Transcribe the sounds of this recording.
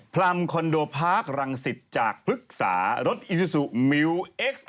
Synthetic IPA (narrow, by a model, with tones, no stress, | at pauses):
pʰla˧mkʰɔ˧ndoː˧pʰaː˦˥˩k̚ɾa˧ŋsi˨˩t̪̚t͡ɕaː˨˩k̚pʰɾɯ˦˥k̚sa̰ː˩˦ɾo˦˥t̪̚ʔi˨˧u˧su˨˩ʔmi˧wʔe˦˥k̚s